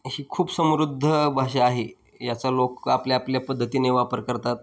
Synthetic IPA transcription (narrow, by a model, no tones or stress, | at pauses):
hiːkʰuːpsəmɾud̪ʱːəbʱaɕaaɦe | jat͡salokapljaːpljapəd̪ʱːət̪iːneʋapəɾkəɾt̪at̪̚